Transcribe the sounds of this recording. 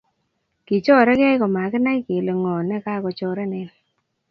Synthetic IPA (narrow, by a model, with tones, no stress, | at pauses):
ki˨t͡ʃɔ˦ɾɛ˦kɛ˦jkɔ˨ma˨kɪ˦na˦jke˨le˨ŋɔ˨nɛ˦ka˦kɔ˨t͡ʃɔ˦ɾɛ˦ne˨n